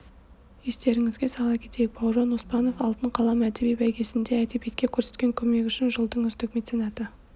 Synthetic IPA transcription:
jest̪e̞ɾɪŋɪzɡʲe̞sɑlˠɑkʲʰe̞̥t̪e̞jɪk̚bɑwʒɑnospɑno̞fɑlˠt̪əɴqʰɑlˠɑmæt̪ebijbæjkʲe̞sɪnd̪eæt̪epet̪̚kʲe̞kʲʰɵɾse̞t̪̚kʲe̞ŋkʲʰɵme̞kʲʏʃɪnʒəlˠd̪əɴʏzt̪ɪkmet̪sʲinɑt̪ə

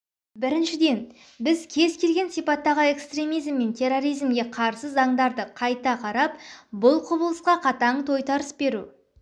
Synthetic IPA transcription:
bɪɾɪnʃɪd̪e̞n | bɪzkʲʰe̞zkʲʰe̞lɡʲe̞nsijpɑt̪ːɑʁəe̞kst̪ɾe̞mijzmːe̞nt̪ʲʰe̞ro̞ɾijzmɡʲe̞qʰɑɾsəzɑɴd̪ɑɾd̪əqʰɑjt̪ɑqʰɑɾɑp̚bʊlˠqʰʊbəlˠəsqɑqʰɑt̪ɑɴt̪ʰo̞jt̪ɑɾəsbe̞ɾṵ

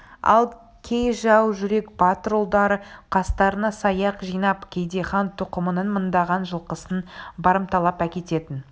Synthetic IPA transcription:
ɑ̰lˠ | kʲʰe̞jʒɑwʒʏɾe̞kbɑt̪ɾolˠd̪ɑɾəqʰɑst̪ɑɾənɑsɑjɑqʒijnɑpkʲʰe̞jd̪eχɑnt̪ʰʊqəmənənmənd̪ɑʁɑnʒəlˠqəsənbɑɾəmt̪ɑlˠɑpækʲe̞t̪e̞t̪ɪn

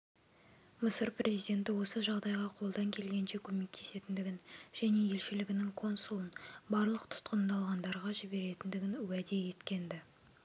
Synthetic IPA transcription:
məsəɾprʔezijd̪ʲe̞nt̪ɪwo̞səʒɑʁd̪ɑjʁɑqʰo̞lˠd̪ɑŋkʲʰe̞lɡʲe̞nʃe̞kʲʰɵme̞k̚t̪ʰe̞̥se̞t̪ɪnd̪ɪɡʲɪnʒ̥æne̞je̞lʃɪlɪɡʲɪnɪŋkʰo̞nsulˠənbɑɾlˠəq̚t̪ʰʊ̥t̪qənd̪ɑlˠʁɑnd̪ɑɾʁɑʒɪbe̞ɾe̞t̪ɪnd̪ɪɡʲɪnwæd̪e̞je̞t̪kʲe̞nd̪ɪ

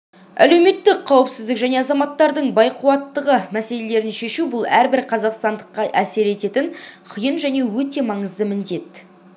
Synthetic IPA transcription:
æ̰lewme̞t̪ːɪkqʰːɑwəpsɪzd̪ɪkʒæne̞ɑzɑmɑt̪ːɑɾd̪əɴbɑjqʰuwɑt̪ːəʁəmæse̞le̞le̞ɾɪnʃe̞ʃubʊlˠæɾbɪɾqʰɑzɑqst̪ɑnd̪əqːɑʔæse̞ɾe̞t̪e̞t̪ɪnqʰijənʒæne̞wɵt̪e̞mɑɴəzd̪əmɪnd̪e̞t̪

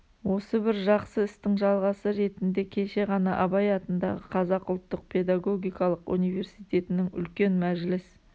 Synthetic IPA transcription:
wo̞səbɪɾʒɑqsəɪst̪ɪŋʒɑlˠʁɑsəɾe̞t̪ɪnd̪e̞kʲʰe̞ʃe̞ʁɑnɑʔɑbɑjɑt̪ənd̪ɑ̰ʁəqʰɑzɑqʊlˠt̪ːəq̚pʰe̞d̪ɑɡo̞ɡʲijkɑlˠəqṵnijve̞ɾsijt̪e̞t̪ɪnɪŋʏ̰lkʲe̞nmæʒlɪs

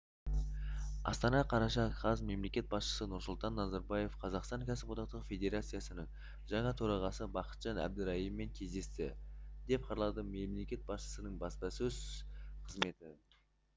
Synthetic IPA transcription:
ɑ̰st̪ɑnɑqʰɑɾɑʃɑqʰɑzme̞mle̞kʲe̞t̪̚bɑsʃə̥sənʊɾsʊlˠt̪ɑnːɑzɑɾbɑje̞fqʰɑzɑqst̪ɑŋkʲʰæsɪbod̪ɑqt̪əʁfʲe̞d̪e̞ɾat̪sɨjasənəɴ | ʒɑɴɑt̪ʰoɾɑʁɑsəbɑqə̥t̪ʒ̥ɑnæ̰b̚d̪ɪɾɑimːe̞ŋkʲʰe̞zd̪e̞st̪ɪ̰d̪e̞p̚qʰɑɾlˠɑd̪əmemle̞kʲe̞t̪̚bɑsʃə̥sənəɴbɑspɑsɵzqʰəzme̞t̪ɪ

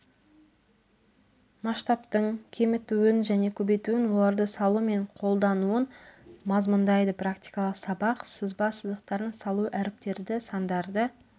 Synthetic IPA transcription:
mɑʃt̪ɑpt̪əɴkʲʰemɪt̪uwɪnʒæne̞kʲʰɵbe̞jt̪uɪnwo̞lˠɑɾd̪əsɑlˠume̞ɴqʰo̞lˠd̪ɑnuənmɑzmənd̪ɑjd̪əprakt̪ʲijkɑlˠəqsɑbɑqsəzbɑsəzd̪əqt̪ɑɾənsɑlˠuʔæɾɪp̚t̪e̞ɾd̪ɪsɑnd̪ɑɾd̪ə

